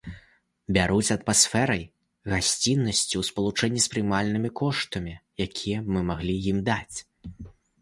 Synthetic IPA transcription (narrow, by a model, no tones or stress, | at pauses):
bʲaɾut͡sʲɐt̪masfɛɾɐj | ɣasʲt͡sʲinːɐsʲt͡sʲiwspɐlˠut͡ʂɛnʲːispɾɨmalʲnɨmʲikɔʂt̪ɐmʲijakʲʰijɐbmɨmaɣlʲijimd̪at͡sʲ